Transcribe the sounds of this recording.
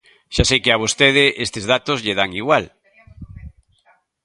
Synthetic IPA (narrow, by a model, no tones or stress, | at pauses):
ʃasejkɪaβ̞ost̪eð̞ɪʔest̪ezðat̪ozʎeðaŋiɣwal